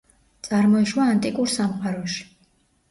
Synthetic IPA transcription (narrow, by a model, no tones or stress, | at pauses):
t̪sʼaɾmɔiʃwaːnt̪ʼikʼuɾsamqʼaɾɔʃi̥